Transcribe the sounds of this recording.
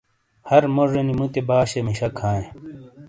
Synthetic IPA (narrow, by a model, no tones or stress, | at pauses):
hɐɾmoʐenimut̪ebaːɕemiɕɐkʰãːẽ